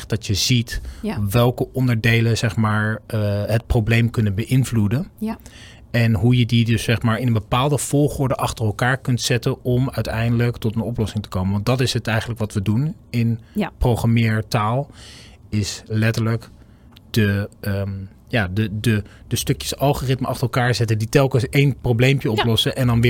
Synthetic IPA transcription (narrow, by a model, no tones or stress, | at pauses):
χdɑtjəzitʋɛlˠkəʔɔndəɹdejlənzɛχmaːɹɦət̚prowblejmkɵnənbəʔɪnvludən | ɛnɦujədidɵsːɛχmaːɹɪnənbəpaːlˠdəv̥ɔlˠχʊːɹdəʔɑχtərɛlˠkaːɹkɵntsɛtənɔmœɥtɛjndələktɔtənɔplɔsɪŋtə̥kowmənʋɑntdɑtɪsɦətɛjχənləkʋɑtʋədunɪnprowχamɪːɹtaːlˠ | ɪslɛtəɹlək | d̥ə | jaːdədədəstɵkjə̥sɑlˠχorɪtməʔɑχtərɛlˠkaːɹzɛtəditɛlˠkənsejnprowblejmpjəɔplɔsəʔɛndɑnʋɪ